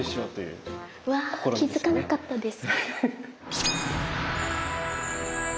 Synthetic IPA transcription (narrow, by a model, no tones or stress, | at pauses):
eɕimat̪ːḛjɯ̰ | βaːoɾkʲizɨkanakat̪ːad̪e̞sɨ̥